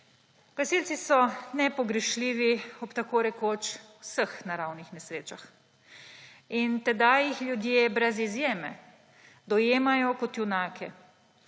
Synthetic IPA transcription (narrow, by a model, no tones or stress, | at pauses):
ɡ̥asilsisɔnɛpɔɡɾɛʃliːʋiɔpt̪akoːɾɛkoːt͡ʃwsəxnaɾawnixnɛsɾeːt͡ʃax | int̪ɛd̪ajixljud̪jeːbɾɛzizjeːmɛ | d̪ɔjeːmajɔkɔt̪junaːkʰɛ